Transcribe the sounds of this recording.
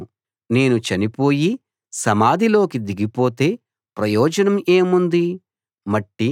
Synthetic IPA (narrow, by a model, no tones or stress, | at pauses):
ne̞ːnut͡ʃɐnipo̞ːji | sɐmaːd̪ʱilo̞ːkid̪iɡipo̞ːt̪e̞ː | pɾɐjɔːd͡ʒɐnɐme̞ːmund̪i | mɐʈːi